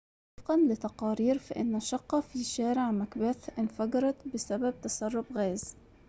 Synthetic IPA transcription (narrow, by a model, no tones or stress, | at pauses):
ɑfqɑnlɪt̪ɑqɑːɾiːɾfaʔɪnːaʃɑqːɑfiːʃæːɾɪʕmakbaθʔɪnfɑɡɑɾˤɑt̪bɪsabab̚t̪ɑsɑrˤːʊbɣæːz